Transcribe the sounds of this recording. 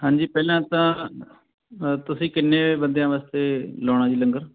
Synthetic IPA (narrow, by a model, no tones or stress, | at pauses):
ɦãːɲd͡ʒiːpɛːlãːt̪ãː | t̪ʊsĩːkɪnːeːeːbənd̪ejãːʋaːst̪eːlɔːɽ̃ãːd͡ʒiːləŋɡəɾ